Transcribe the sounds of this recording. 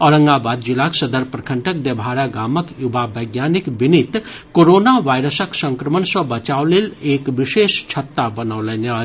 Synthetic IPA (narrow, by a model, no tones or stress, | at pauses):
ɔɾə̃ŋɡabad̪d͡ʒilaksəd̪əɾpɾəkʰəɳʈək̚d̪ebʱaɾaɡaːməkjubʱabəjɡjaːnikbinit̪ | koɾonaʋajɾəsəksə̃ŋkɾəmənsə̃bət͡ʃaoleleːkʋiʃest͡ʃʰət̪ːabənaːlɛna